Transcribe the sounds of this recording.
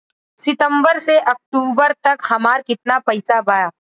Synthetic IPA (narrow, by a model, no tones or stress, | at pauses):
sɪt̪ə̃mbəɾseʔɐk̚ʈuːbəɾt̪ɐkhɐmaːɾkɪt̪̚napɐɪsabaːjaː